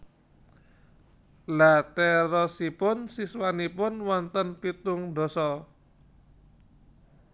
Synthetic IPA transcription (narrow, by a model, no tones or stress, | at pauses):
lat̪ɛɾɔsipʊnsiswanipʊnwɔnt̪ənpit̪ʊŋd̪ɔ̤sɔ